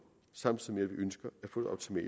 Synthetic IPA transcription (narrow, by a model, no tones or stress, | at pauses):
sɑ̈m̰d̥sɒmːeɐʋiʔønsɡ̥ɐæɐfɔ̽ːð̩ˠɒʊ̥t͡sʰimɛ̰